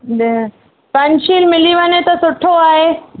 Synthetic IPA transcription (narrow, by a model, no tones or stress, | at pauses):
pɐ̃ɲʃiːlmɪliʋɐnet̪ɐsʊʈʰoaːɦeː